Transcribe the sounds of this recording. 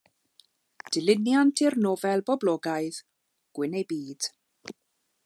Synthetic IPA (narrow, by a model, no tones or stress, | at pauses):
d̥ɪlɪnjantʰɪrnɔvɛlˠbɔblɔːɡaɨð | ɡ̥wɪnejbiːd̥